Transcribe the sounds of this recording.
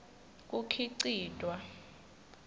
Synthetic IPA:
k̬ʼukʰiǀiːd̥ʱwa

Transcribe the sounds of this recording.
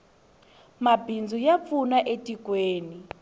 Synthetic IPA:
mabʱind͡zʱujap̪funaʔetʼikweːni

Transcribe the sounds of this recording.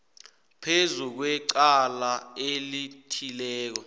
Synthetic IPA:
pʰezuk̬wɛǀalaelitʰilɛːk̬ɔ

